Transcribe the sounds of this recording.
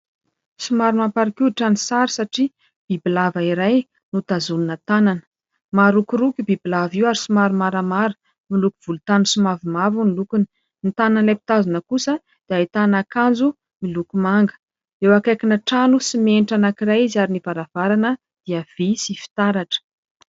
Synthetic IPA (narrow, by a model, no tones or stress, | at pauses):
sumaɾumampaɾikiuiʈ͡ʂanisaɾisaʈ͡ʂi | b̥ibilavaiɾaj | nut̪azuninət̪ananə̥ | maɾukuɾukʲibibilaviwaɾisumaɾumaɾəmaɾu | milukuv̥ulut̪anusumavimavunilukuni̥ | nit̪ananlepi̥t̪azunəkusə | d̪̥eajt̪anakand͡zu | milukumaŋɡə̥ | ewakakinəʈ͡ʂanusimenʈ͡ʂanakiɾajizaɾinivaɾav̥aɾanə | d̪̥iav̥isifi̥t̪aɾaʈ͡ʂə̥